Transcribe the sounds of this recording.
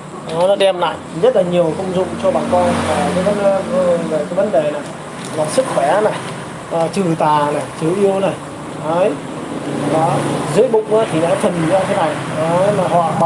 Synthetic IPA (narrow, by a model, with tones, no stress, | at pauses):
ʔɔ˨˦nɔ˨˦ɗɛ˧mla̰ː˧˨jzə˦˥t̚laː˨˩ɲi˨˩əwkə˧wŋ͡mzʊ̰˧˨ŋ͡mt͡ɕɔ˧ɓa̰ː˧˨nkɔ˧nfaː˧˩ə˨˧˦ə˨˦nː˧˦˨ə˨˩kaː˨˦jvə˨˦nɗe˨˩na˨˩j | laː˨˩sɨ˦˥k̚xwɛ˧˩na˨˩j | ʔaː˨˩t͡ɕɨ˨˩t̪aː˨˩na˨˩jt͡ɕɨ˨˩əʔi˧əwna˨˩j | ʔə˨˦j | aː˨˩˨zɨ̰˨˦əjɓʊ̰˧˨ŋ͡mʔaː˨˦t̪ʰi˨˩na̰ː˧˥t̪ʰə˨˩n˨˩zaː˧t̪ʰe˨˦na˨˩jʔə˨˦maː˨˩ɦɔ̰˧˨ɓ